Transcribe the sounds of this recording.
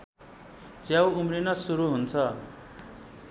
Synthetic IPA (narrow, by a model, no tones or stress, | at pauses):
t͡sjawumrinʌsuɾuɦunt͡sʰʌ